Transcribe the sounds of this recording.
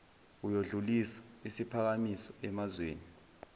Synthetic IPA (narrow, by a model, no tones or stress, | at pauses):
ujoɮulisḁisipʰak̬amisɔɛmazweːni